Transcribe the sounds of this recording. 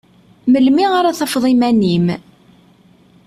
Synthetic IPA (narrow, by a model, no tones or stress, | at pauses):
məlmiʁaɾaθɑfðˤimænim